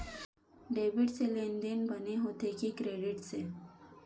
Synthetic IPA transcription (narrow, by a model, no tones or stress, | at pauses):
ɖeʋiɽt͡selenɖenbʱəneɦot̪ekikɾeɽiʈse